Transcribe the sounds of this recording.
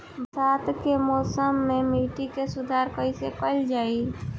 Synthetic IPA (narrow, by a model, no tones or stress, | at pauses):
bsaːt̪kemɔːsəmːẽmiːʈikesʊd̪ʱaːɾkəɪsekəld͡ʒaːi